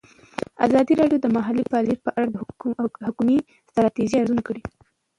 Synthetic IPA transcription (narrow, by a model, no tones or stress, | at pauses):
a̰zɑd̪iɾɑɖjod̪əmaɦalipɑlipəʔaɽad̪əhʊkumi | st̪ɾɑt̪iʒiaɾzunakəɽi